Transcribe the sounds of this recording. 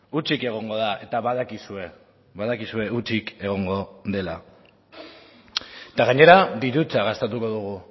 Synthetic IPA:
ut͡sike̞ɣ̞o̞ŋɡo̞ð̞aʔe̞t̪aβaðakisue̞ | βaðakisue̞ut͡sike̞ɣ̞o̞ŋɡo̞ðe̞la | t̪aɣaɲe̞ɾad̪iɾut͡saɣ̞ast̪et̪uko̞ðuɣ̞u

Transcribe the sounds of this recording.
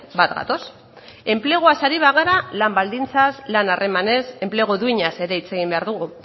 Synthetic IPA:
bat̪ɡa̰t̪o̞s | e̞mpleɣ̞uasaɾiβ̞aɣ̞aɾalambald̪int͡saslanare̞mane̞se̞mple̞ɣ̞oðuiɲase̞ɾe̞it͡se̞ɣ̞imbe̞aɾðuɣ̞u

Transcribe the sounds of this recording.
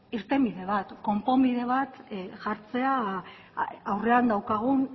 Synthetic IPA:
iɾt̪e̞mbiðe̞β̞at̪ko̞mpo̞mbiðe̞β̞at̪ʝaɾt͡se̞aː | wre̞and̪awkaɣ̞un

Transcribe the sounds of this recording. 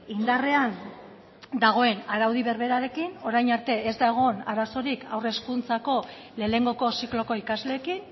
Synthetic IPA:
ind̪are̞an | d̪aɣ̞o̞e̞naɾawð̞iβe̞ɾβe̞ɾaɾe̞kino̞ɾajɲaɾt̪e̞ezd̪aeɣ̞o̞naɾaso̞ɾikawre̞skunt͡sako̞ | le̞ːle̞ŋɡo̞ko̞siklo̞ko̞ikazle̞ːkin

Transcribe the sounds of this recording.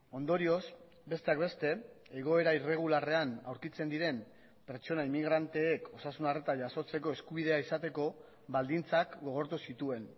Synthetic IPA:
o̞nd̪o̞ɾio̞s | be̞st̪e̞akbe̞st̪e̞ | eɣ̞o̞e̞ɾaire̞ɣ̞ulare̞anawɾkit͡se̞nd̪iɾe̞m | pe̞ɾt͡ʃo̞naimːiɣɾant̪e̞ːkʰo̞sasunaret̪aʝaso̞t͡se̞ko̞e̞skuβið̞e̞aisat̪e̞ko̞ | βald̪int͡sakɡo̞ɣ̞o̞ɾt̪usit̪ue̞n

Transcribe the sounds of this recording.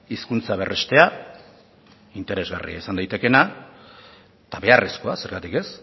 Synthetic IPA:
iskunt͡saβ̞e̞re̞st̪e̞a | int̪e̞ɾe̞zɣa̰rḭaisand̪ajt̪e̞ke̞na | t̪aβe̞aresko̞ase̞ɾɣat̪ike̞s

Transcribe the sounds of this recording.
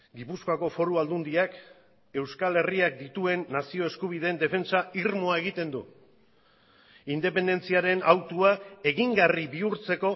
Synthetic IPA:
ɡipuskoako̞fo̞ɾuald̪und̪iak | e̞wskale̞riak̚d̪it̪ue̞nːasio̞e̞skuβ̞iðe̞nd̪e̞fe̞nt͡saiɾmoae̞ɣ̞it̪e̞nd̪ṵ | ind̪e̞pe̞nd̪e̞nt͡siaɾe̞nawt̪uae̞ɣiŋɡariβiuɾt͡se̞ko̞

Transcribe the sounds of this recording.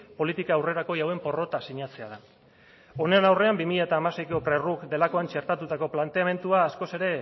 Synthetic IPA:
po̞lit̪ikaːwre̞ɾako̞iawe̞mpo̞ro̞t̪asiɲat͡se̞að̞a | o̞nenawre̞ambimiʎaet̪aːmase̞jkopɾe̞rukd̪e̞lako̞ant͡ʃe̞ɾt̪at̪ut̪ako̞plant̪e̞ame̞nt̪uaːsko̞se̞ɾe̞

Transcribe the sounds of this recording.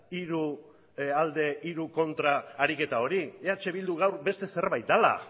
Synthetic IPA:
iɾu | ald̪e̞ʔiɾuko̞nt̪ɾaːɾike̞t̪ao̞ɾieat͡ʃe̞βild̪uɣawɾbe̞st̪e̞se̞ɾβajt̪̚d̪ala̰

